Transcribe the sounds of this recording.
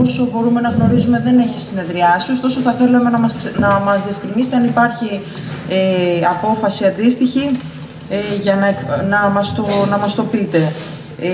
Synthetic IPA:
oso̞bo̞ɾume̞nɐɣno̞ɾizume̞ðe̞ne̞çisine̞ðɾiɐsiost̪o̞soθɐθe̞lemenɐmɐsknɐmɐzðie̞fkɾinist̪eɐnipɐɾçi | eɐpo̞fɐsiɐnd̪ist̪içi | ʝɐnɐeknɐmɐst̪onɐmɐst̪o̞pit̪e̞

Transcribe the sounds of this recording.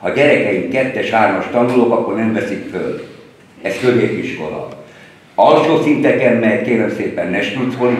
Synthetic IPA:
hɒɟɛɾɛkɛjiŋkkɛt̪ːɛʃhaːrmɒʃt̪ɒnuloːkɒkːo̞rnɛɱvɛsikfø̰l | ɛskøzeːt̪iʃko̞̰lɒ̰ | ɒlʃoːsint̪ɛkɛnmɛkeːlɛmseːpɛnːɛʃt̪ut̪sol

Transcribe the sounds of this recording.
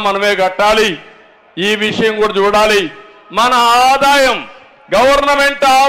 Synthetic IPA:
mɐnɐmeːɡɐʈːaːli | iːʋiʂɐjɐŋkuːɽɐt͡ʃuːɽaːli | mɐnɐːd̪aːjɐm | ɡɐʋɐɾnɐme̞ɳʈaː

